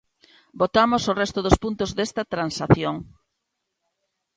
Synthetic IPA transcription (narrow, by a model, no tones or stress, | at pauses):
bot̪amosorɛst̪ʊðospunt̪ozðest̪ɐt̪ɾansaθjoŋ